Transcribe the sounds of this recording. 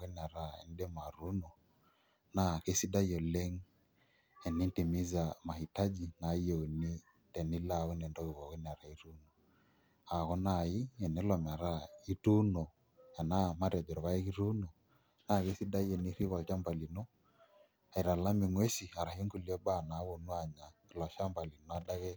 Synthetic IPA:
ɣɛ˦n˨a˨ɾa˨ɛ̰˨n˦dɛ˦ma˨ɾu˦nɔ˨ | na˨ke˦si˦da˦i˦jɔ˨lɛ˦ŋ | ɛ˨ni˦nti˨mi˦za˨ma˨hi˨ta˦d͡ʒi˨na˨i˦ɛ˨u˨ni˦ | tɛ˨ni˦la˦˨u˦nɛ˨ndɔ˦ɣi˨βɔ˨ɣɛ˦ni˨a˨ɾa˨i˦ɾu˦nɔ˨ | a˨ɣɔ˦na˨i˦ɛ˨nɛ˨˦lɔ˨m˨a˨ɾa˦i˦tu˦nɔ˨ | a˨na˦ma˦ɾɛ˨d͡ʒɔ˨ɾɔ˨βa˦e˦ɣi˦ɾu˦nɔ˨ | na˨ɣe˦si˦da˦jɛ˨ni˦ɾi˦βa˨t͡ʃa˦mba˨li˨nɔ˦ | a˨i˨ɾa˨la˦mi˨ŋwɛ˦si˨a˨ɾa˨ho˦ŋɡu˨li˦ɛ˦ba˦˨na˨˦wo˨nu˦a˨ɲa˨lɔ˨ʃa˦mba˨li˨nɔ˨a˨da˦ɣɛ˦

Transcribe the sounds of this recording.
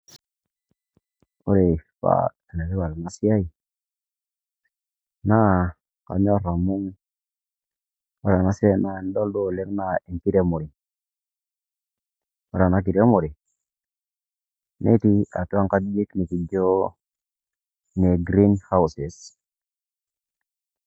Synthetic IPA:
o̰˦ɾe˨pa̰˦˨ | na˨ɾi˦wa˨ɾa˨na˦si˦a˦i˨ | na˦ | ka̰˨ɲ˦o˦ɾa˨mu˦ŋ | a˦ɾa˨na˦se˦na˦e˨n˦do˦ldo˦˨le˦kna˦e˨ŋki˦ɾe˦mo˨ɾi˨ | a˦ɾa˨na˦k̬i˨ɾe˦mo˨ɾi˨ | nḛ˦ti˦a˨tu˦a˦ŋka˦dji˦kni˨ki˨d͡ʒo˦ | ne˨ɡɾi˦nha˦wse˨s

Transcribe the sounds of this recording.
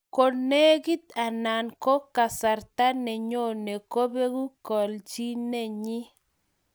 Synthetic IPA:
ko˨ne˦ɡi˦t̪a˨na˨nko˦ka˨sa˨ɾt̪a˦nɛ˨ɲo˦˨ne˨ko˦be˦ɡu˦kɔ˨lt͡ʃi˦ne˦˨ɲi˦

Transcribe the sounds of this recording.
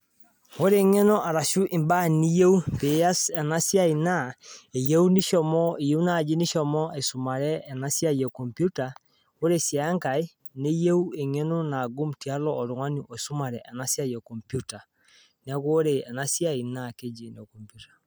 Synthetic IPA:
o˦ɾe˦ŋɛ˦nɔ˦ʔa˨ɾa˨ʃu˦ʔe˨mba˦ni˦jɛ˦u˦pe˨a˦sɛ˨na˦sja˦i˨na˦e˨jɛ˦u˦ni˦ʃɔ˦mɔ˦e˨je˦u˦na˦˨d͡ʒi˦ni˦ʃɔ˨mɔ˦e˨so˨ma˨ɾɛː˦˨na˦sja˦jɛ˨kɔ˨mpju˦ta˨ | o˦ɾe˦sja˨a˦ŋkai˦ | ne˦jɛ˦u˦e˨ŋɛ˦no˦na˨ɡo˦mti˨a˦lɔ˦ɔ˨ɾo˨ŋa˦ni˦ʔɔ˨su˦ma˨ɾɛ˨ʔɛ˨na˦sja˦jɛ˨kɔ˨mpju˦ta˨ | nɛɣoɾe˨ɛ˨na˦sja˦i˨na˨ke˦d͡ʒi˨ne˨kɔ˨mpjutḁ˨

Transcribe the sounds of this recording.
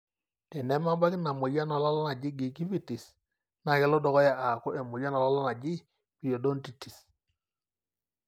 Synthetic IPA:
tɛ˨nɛ˦ma˦mba˦kɪ˦na˨mo˨ja˦nɔ˨la˦lɔ˦na˨d͡ʒi˦ɡi˨ki˦vi˦˨ti˨s | na˨kɛ˨˦lɔ˦dɔ˨kɔ˦ja˨ʔa˨kɔ˦ʔɛ˨mo˨ja˦nɔ˨lɔ˦lɔ˦na˨d͡ʒi˦ | pi˨jo˨do˦nti˨ti̥˨s

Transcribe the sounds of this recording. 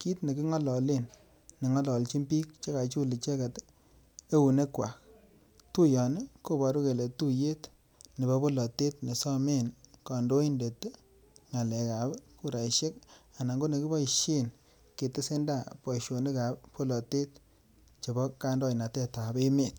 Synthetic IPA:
ki˦tne˨kɪ˦ŋɔ˦lɔ˨le˦nː | e˨ŋɔ˦lɔ˨lt͡ʃi˦mpi˦k̚t͡ʃe˦ka˨t͡ʃu˦li˨t͡ʃe˦ka˨t | e˦u˨ne˦kwa˨k̚ | tu˦jɔ˨ne˦ko˦bɔ˨ɾu˦ke˨le˨tu˦je˦t | ne˨bɔ˦bo˦lɔ˨te˦tne˨sɔ˦me˦nkɔ˨ndo˦i˦nde˨tː | ŋa˨lɛ˨ka˨bku˦ɾa˨ʃe˦ka˨na˨ŋɡo˦ne˨kɪ˦bɔ˦ʃi˦n | ke˨tɪ˦se˦nda˦˨pɔ˨ʃo˨nɪ˦ka˨ppo˦lɔ˨te˦t | t͡ʃe˨bɔ˦ka˦ndɔ˦i˨na˨tɛ˦ta˨be˦me˨t

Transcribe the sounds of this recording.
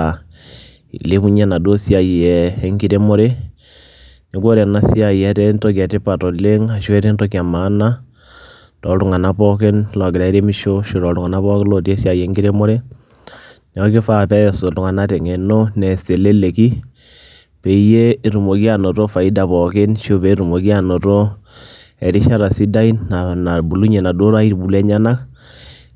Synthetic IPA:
le˦mu˦ɲa˦na˨do˦si˦a˨jɛ˨˦ŋɡi˦ɾe˦mo˦ɾe˦ | ne˨ko˦ɾɛ˨na˦si˦a˨jɛ˦tɛ˦nto˦k̬a˨te˦pa˨tɔ˨le˦ŋa˨ʃɛ˦te˦ntɔ˦ki˨a˨ma˨˦na˦ | tɔ˨tu˨ŋa˨na˦pɔ˦ke˦nlɔ˨ɡɪ˨ɾa˨i˦ɾe˦mi˦ʃo˦ʃo˨ɾɔ˨u˨ŋa˨na˦pɔ˦ke˦lo˨te˦sja˨jɛ˨˦ŋɡi˦ɾe˦mo˦ɾe˦ | n˨ɔ˦kɪ˦fa˨tɛ˦jɔ˨so˨tu˨ŋa˨na˦tɛ˨ŋɛ˨no˦nɛ˨se˨le˦le˨ki˦ | pe˨˦je˦˨ɾu˨mo˨ki˦a˨no˨to˦fa˨i˦da˨pɔ˨ke˦nʃo˦pe˨˦ɾu˨mo˨ki˦a˨no˨to˦ | ɛ˨ɾi˦ʃa˦ɾa˨si˦da˦i˦na˨na˨bu˨lu˦ɲe˨na˨do˦ɾa˦i˦ɾbu˨le˦ɲa˦na˦k

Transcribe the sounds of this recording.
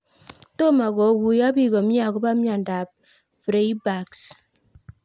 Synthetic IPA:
to˦ma˨kɔ˨˦wu˨ja˦bi˦˨kɔ˨mja˦˨kɔ˦ba˦mja˨nda˨p̚ | fɾe˨˦ba˨ks

